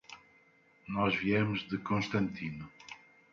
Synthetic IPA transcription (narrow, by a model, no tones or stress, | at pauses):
nɔʒviɛmʊʒðɨkõʃt̪ɐ̃nt̪ʰinu